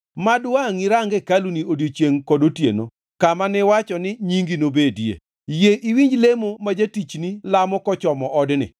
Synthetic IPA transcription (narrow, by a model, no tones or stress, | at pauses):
madwaŋiɾaŋɡekaluniodjot͡ʃjeŋkɔdotjḛno̰ | kamanɪwat͡ʃɔnɪɲiŋɡinobedjḛ | jeʔiwiɲd͡ʒlemomad͡ʒatit͡ʃnilamɔkɔt͡ʃɔmɔʔɔdnɪ̰